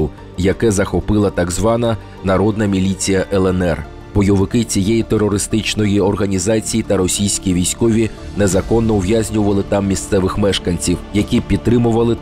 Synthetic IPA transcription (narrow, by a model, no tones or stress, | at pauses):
ʊ | jɐkɛzɐxɔpɪlˠɐt̪ɑɡzʋɑnɐ | nɐɾɔd̪nɐmʲilʲit͡sʲijɐʔɛlˠɛnɛr | bɔjɔʋɪkɪt͡sʲijejit̪erːɔɾɪst̪ɪt͡ʃnɔjiɔrɦɐnʲizɑt͡sʲijit̪ɐɾɔsʲijsʲkʲiʋʲijsʲkɔʋʲinezɐkɔnːɔʊʋjazʲnʲʊʋɐlˠɪt̪ɑmːʲist̪sɛʋɪxmɛʃkɐnʲt͡sʲiwjɐkʲipʲid̪̚t̪ːɾɪmʊʋɐlˠɪ